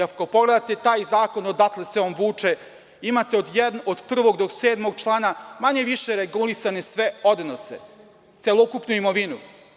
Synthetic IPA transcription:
akopo̞ɡle̞d̪at̪e̞t̪aːjzaːko̞nod̪at̪leseomʋuːt͡ʂe̞ | imat̪e̞o̞d̪jɛd̪nod̪pr̩ʋo̞ɡd̪o̞kseːd̪mo̞ɡ̚t͡ʃlˠaːnamaɲe̞ʋiʃeɾeɡulisane̞sʋeo̞d̪nosḛ | t̪selˠokupnuimoʋinu

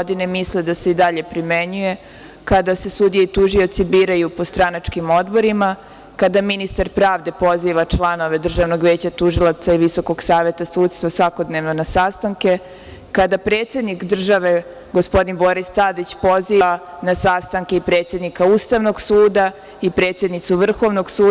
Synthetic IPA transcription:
d̪inemisled̪ase̞id̪aʎe̞pɾimeɲuje̞ | kad̪ase̞sud̪ijeit̪uʒio̞t̪sibiːɾajupo̞st̪ɾanat͡ʂkimod̪bo̞ɾima | kad̪aminist̪aɾpɾaːʋd̪e̞po̞ziʋat͡ʃlˠano̞ʋe̞d̪r̩ʒaʋno̞ɡʋeːt͡ɕat̪uʒilˠat̪saiʋiso̞ko̞ɡsaːʋe̞t̪asuːt̪st̪ʋasʋako̞d̪neʋnonasast̪aŋke̞ | kad̪apɾe̞ːt̪sje̞d̪nikd̪r̩ʒaʋe̞ | ɡospo̞d̪inbo̞ɾist̪ad̪it͡ɕpo̞zianasast̪aŋkeipɾet̪sje̞d̪nikaust̪aʋno̞ɡsuːd̪a | ipɾet̪sje̞d̪nit̪suʋr̩xo̞ʋno̞ɡsuː

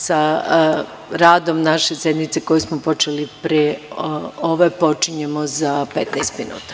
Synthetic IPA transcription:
sa | ɾaːd̪o̞mnaʃe̞sed̪nit̪seko̞jesmopo̞t͡ʃelipɾe | oʋepo̞t͡ʃiɲemozapet̪najst̪minṵːt̪ḁ

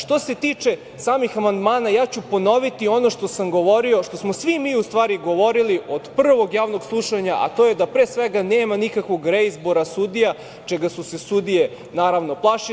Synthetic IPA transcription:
ʃt̪o̞se̞t̪iːt͡ʃe̞ | saːmixamand̪maːnajaːt͡ɕupo̞no̞ʋit̪io̞no̞ʃt̪o̞samɡo̞ʋo̞ɾio̞ʃt̪o̞smosʋimiːust̪ʋaːɾiɡo̞ʋo̞ɾiliʔo̞d̪pr̩ʋo̞ɡjaːʋnoɡslˠuʃaɲaʔa̰t̪o̞jed̪apɾeːsʋeɡaneːmanikakʋo̞ɡɾeizbo̞ɾasud̪ija | t͡ʃɛɡasuse̞sud̪ije | naːɾaʋno̞plˠaʃi

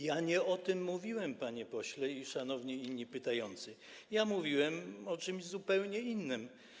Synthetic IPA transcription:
jaɲɛɔt̪ɘmːuvʲiwɛmpaɲɛpɔɕlɛiʂanɔvɲɛinːipɘt̪ajɔnt̪sɘ | jamuvʲiwɛmɔt͡ʂɘmʑzupɛwɲɛinːɘm

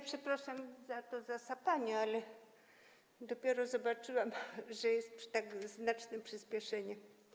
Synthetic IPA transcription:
pʂɛpɾaʂamzat̪ɔzasapaɲɛalɛ | d̪ɔpʲjɛɾɔzɔbat͡ʂɨwamʐɛjɛst̪pʂt̪aɡznat͡ʂnɛpʂɘspʲjɛʂɛɲɛ

